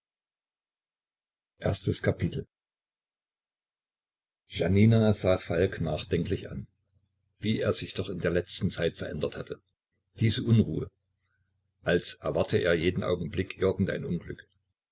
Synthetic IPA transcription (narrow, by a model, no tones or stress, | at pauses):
ʔeːɐstəskʰapɪtʰl̩ | ʒaniːnazaːfalknaːχd̥ɛŋklɪçʔa̰n | viːʔeːɐzɪçd̥ɔχɪndeːɐlɛt͡stn̩t͡saɪtfɛɐʔɛndɐthatʰə | d̥iːzəʔʊnʁṵːə | ʔalsʔɛɐvaɐtʰəʔḛːɐjeːdn̩ʔa̰ʊɡŋ̩blɪkʔɪɐɡŋ̩tʔa̰ɪnʊnɡlʏ̰k